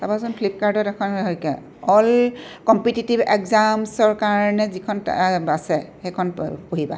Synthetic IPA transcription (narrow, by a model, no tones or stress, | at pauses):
tabazɔnpʰlip̚kaɹdɔtɛkʰɔnɦɔjkɛ | ɔlkɔmpititibɛ̰kzamsɔɹkaɹɔnɛzikʰɔnasɛxekʰɔnpoɦiba̰